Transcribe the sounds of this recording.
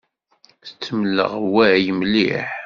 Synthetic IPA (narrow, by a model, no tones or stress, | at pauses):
θə̥t͡sːəmlːə̰ʁwæjəmlḭħ